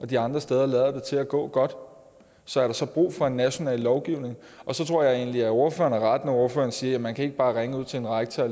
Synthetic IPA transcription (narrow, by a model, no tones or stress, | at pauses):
ɒ̽d̥iɑ̈nd̥ʁɐsd̥eːð̞ˠɐlɛːð̞ˠɐd̥e̝t͡sʰe̝læɡ̥ɔ̰̽ːɡ̥ɒ̽d̥ | sɒ̽æɐɾ̥ɑ̈sɒ̽b̥ʁṵːfɒ̽e̝nːæɕo̝nɛ̰ːlːɒʊɡ̥iʊne̝ŋ | ʔɒ̽sɒ̽t͡sʰʁo̝ɐ̰jɑɪe̝̰ːnliæo̝ɐfø̰ːɐnæʁɑd̥næo̝ɐfø̰ːɐnsiːɐjæmːænkʰæe̝ɡ̥əb̥ɑ̈ːʁeŋəuð̞̰ˠt͡sʰe̝enʁaɡ̥t͡sʰæ